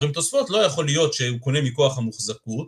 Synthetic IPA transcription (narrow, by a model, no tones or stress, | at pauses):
imt̪osfo̞t̪lo̞jaχo̞lijo̞t̪ʃeuko̞ne̞miko̞aχhamuχzakut